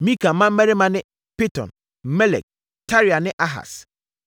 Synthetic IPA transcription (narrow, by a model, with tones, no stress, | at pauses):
mĩ˦ka˨m̩˦mã˦m̩˦mɛ˦ɾɪ˦mã˦nɪ̃˦ | pi˦tɔ̰̃˨n | m̩˦mɛ˦lɛ̰˨k̚ | tʰa˦ɾi˨a˨nɪ̃˦ʔa˦ɦa̰˨s